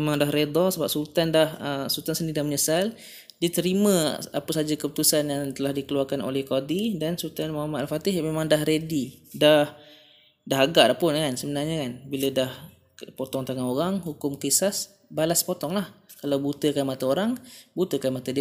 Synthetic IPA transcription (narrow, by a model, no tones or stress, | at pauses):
memaŋdahɾed̪ɔsəbap̚sult̪andahəsult̪ansəndidahməɲəsal | dit̪əɾimə̃a̰pəsad͡ʒakəpət̪usanjaŋt̪əlahdikəluarkanʔo̰lɛhkadidansult̪anmaamat̪alfat̪ɪhmemãŋdahɾedidah | daɦaɡaʔlahpʊnkansəbənarɲakanbilədah | pot̪ɔŋt̪aŋaɦoɾaŋhukʊmkisas | balaspot̪ɔŋlahkalawbut̪əkanmat̪aoɾaŋbut̪əkanmat̪adi